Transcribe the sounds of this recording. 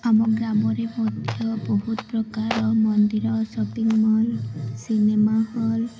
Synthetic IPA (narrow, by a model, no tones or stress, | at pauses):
amɔkɡɾamɔɾemɔd̪ʱjɔbɔɦut̪ɔpɾɔkaɾɔmɔnd̪iɾɔsɔpiŋmɔlsinemahɔl